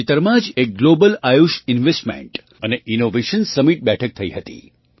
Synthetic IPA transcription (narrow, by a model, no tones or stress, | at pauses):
it̪əɾmãd͡ʒek̚ɡlobəlajuʃinʋesʈmḛ̃ɳʈ | əneʔinoʋeʃənsəmiʈ̚bɛʈʰək̚t̪ʰəiɦət̪ḭ